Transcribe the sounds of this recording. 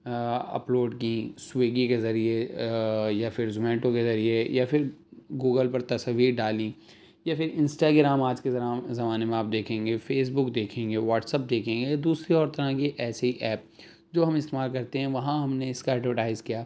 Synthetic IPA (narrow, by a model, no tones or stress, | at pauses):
ɐ̰ploːɖkĩsweːɡikezɐɾie | jafɪɾzʊmɛ̃ːɳʈõkezɐɾiejafʰɪɾɡuːɡəlpɐɾt̪ɐsɐʋiːɾɖaːlĩ | jafʰɪɾɪ̃nsʈaɡɪɾaːmaːd͡ʒkezɐɾaːzɐmaːnemẽaːp̚d̪eːkʰẽːŋɡefeːs̬bʊkd̪eːkʰẽːŋɡeʋaːʈsəp̚d̪eːkʰẽːŋɡed̪uːsɾiɔːɾt̪ɐɾãkiʔɛːseiʔɛːp̚ | d͡ʒoːɦɐmɪst̪eːmaːlkɐɾt̪eɦɛ̃ʋɐɦãɦɐmneɪskaɛʈʋəʈaːɪzkijaː